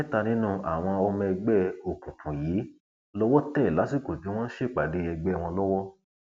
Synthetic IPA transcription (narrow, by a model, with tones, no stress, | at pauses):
ɛ˦ta˧nĩ˦nũ˦˨ʔa˨w̃ɔ̃˧ɔ˧mɛ̃˧ɛ˧ɡ͡bɛ˦o˨kũ˨kũ˨jiː˨˦ | lɔ˦wɔ˦tɛ˦i˨la˨˦si˦˨ko˨d͡ʒũ˨˦w̃ɔ̃˦n̩˦ʃe˦˨k͡pa˨de˨˦ɛ˧ɡ͡bɛ˦˨˧w̃ɔ̃˧lɔ˦wɔ˦